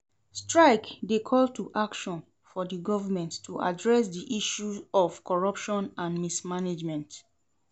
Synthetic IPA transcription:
stɹaɪkdekʰɔltʰuʔakʃɔ̃n | fɔdiɡɔvəmɛ̃nttʰuʔa̰dɹɛsdiʔiʃuzɔvkʰɔɹʌpʃɔ̃nãnmismaned͡ʒmɛ̃nt

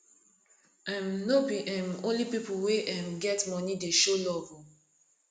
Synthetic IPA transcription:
ãmnobiʔãmõnlipipuweʔɛ̃mɡɛtmɔnideʃolɔvɔ

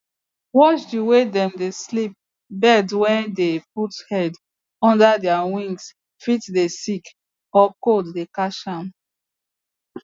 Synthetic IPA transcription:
wɔt͡ʃdiwedɛ̃mdeslip̚ | bɛdwɛ̃ndep̚uthɛd | ɔ̃ndadɛawĩŋɡs | fitdesik | ɔkoddekaʃãm

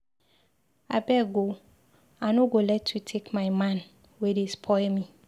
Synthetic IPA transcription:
a̰bɛɡo | anʊ̃ɡolɛtʰːutʰekmaɪmãn | wɛdespʰɔmĩ

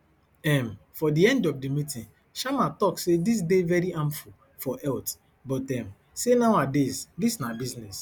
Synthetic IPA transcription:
ɛmfɔdiɛ̃ndɔfdimitĩn | ʃamatɔksedis̬devɛɹiʔãmfu | fɔʔɛlt | bɔtɛ̃m | senaʊadesdisnabiznɛs

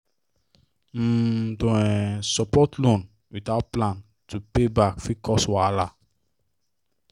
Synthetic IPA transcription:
m̩dõɛsɔpɔtlõn | witaʊt̚plãn | tʰupebakfikʰɔswala

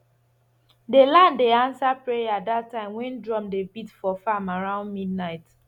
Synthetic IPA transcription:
delãndeãnsapɹejaadattːãɪ̃mwɛ̃ndɹɔ̃mdebitfɔfamaɹãʊ̃ndmid̚naɪt

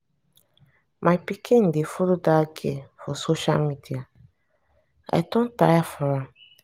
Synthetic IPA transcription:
mʔajpikʰĩn̩dɪfolodaɡḛfɔsoʃa̰lmidia | a̰jdõn̩ta̰jafɔɾãm

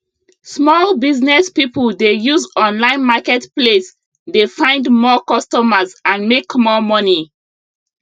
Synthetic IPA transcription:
smɔlbiznɛspipuldejuzɔ̃nlãɪ̃nmakɛtples | defãɪ̃ndmɔkɔstɔməzãnmekmɔmɔni

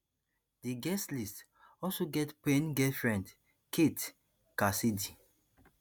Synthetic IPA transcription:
diɡɛstlist | ɔlsoɡɛtpẽnɡɛfɹɛ̃nd | kʰet | kasidi

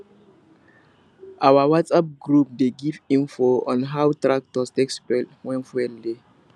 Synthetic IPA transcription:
ʔawawatsap̚ɡɹup̚deɡivĩnfoɔ̃nɦawtɹak̚tɔstɛkspɛtwɛ̃nfwɛlde

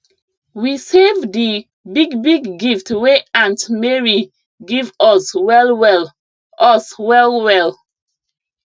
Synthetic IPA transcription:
wisevdi | biɡbiɡːiftweãntmɛɹi | ɡivɔswɛlwɛl | ɔswɛlwɛl

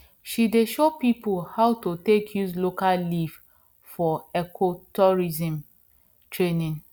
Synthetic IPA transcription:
ʃideʃopipulhawtotekʰjuslokallif | fɔɛkʰotɔɹizĩm | tɹenĩn

